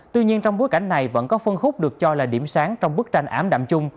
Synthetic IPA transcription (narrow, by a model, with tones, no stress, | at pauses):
t̪wi˧ɲi˧nt͡ɕɔ˧ŋ͡mɓo˨˦jka˧˩jŋ̟na˨˩jvə̰˧˥nkɔ˨˦fə˧nxʊ˦˥k͡p̚ɗɨ˨˩ək̚t͡ɕɔ˧laː˨˩ɗḭ˧˩əmsaː˨˦ŋt͡ɕɔ˧wŋ͡mɓɨ˦˥ək̚t͡ɕa˧jŋ̟ʔaː˨˦mɗa̰ː˧˨mt͡ɕʊ˧ŋ͡m